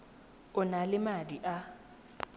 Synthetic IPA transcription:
ʊnalɪmadiʔa

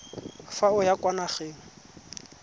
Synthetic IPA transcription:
faʊjakwanaχeːŋ̩

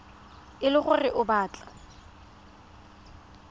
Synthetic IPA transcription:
ɪlɪχʊrɪʔʊbaːt͡ɬʼa

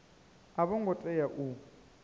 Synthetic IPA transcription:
aβɔŋɡɔtʼɛjaʔu

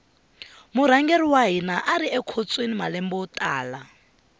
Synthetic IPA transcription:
muɾ̤aŋɡeriwaɦinaʔaɾiɛkʰot͡sʼwenimalɛmbɔːtʼaːla

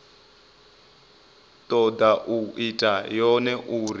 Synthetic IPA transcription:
tʼɔdaʔuitʼajɔnɛʔuɾi

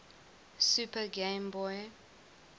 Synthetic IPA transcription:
supəɡẽmbɔj

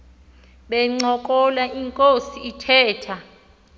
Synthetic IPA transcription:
ɓɛŋ͡ǀɔkʼɔlaʔiŋkʼosiːtʰɛːtʰa

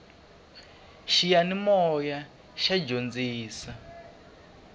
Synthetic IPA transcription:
ʃijanimɔja | ʃad͡ʒond͡ziːsa

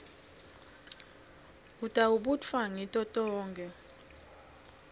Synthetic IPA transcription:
utʼauɓutfaŋitʼɔtʼɔːŋɡʱɛ

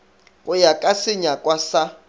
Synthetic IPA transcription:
ɣʊjakʼasɪɲakʼwasa

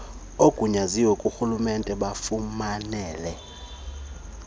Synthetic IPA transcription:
okʼuɲaziwɛkʼuxulumɛntʼɛɓafumanɛːlɛ

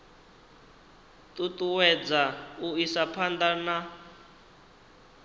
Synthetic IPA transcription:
t̪ut̪ʼuwɛd͡zauisapʰand̪ana

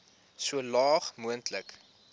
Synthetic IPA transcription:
suəlɑːχmuəntlək

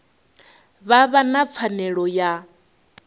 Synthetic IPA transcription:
βaβanap̪fʰanɛɺɔja

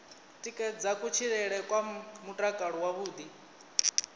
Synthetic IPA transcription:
tʼikʼɛd͡zakʼut͡ʃʰiɺɛɺɛkʼwamutʼakʼaɺɔwaβuːd̪i

